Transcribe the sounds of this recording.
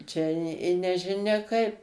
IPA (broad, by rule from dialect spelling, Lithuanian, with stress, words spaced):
ˈt͡ʃʲɛ ɪ ɪ nʲɛʒʲɪˈnʲɛ ˈkɐɪp